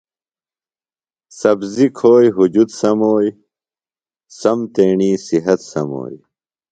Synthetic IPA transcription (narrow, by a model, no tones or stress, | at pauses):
sɐbzikʰoːjɦud͡ʑud̪sɐmoːj | sɐmt̪eːɳiːsiɦɐt̪sɐmo̰ːj